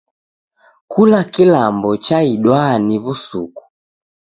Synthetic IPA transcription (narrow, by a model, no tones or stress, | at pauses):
kulakilambɔt͡ʃaiɗwaniβusuku̥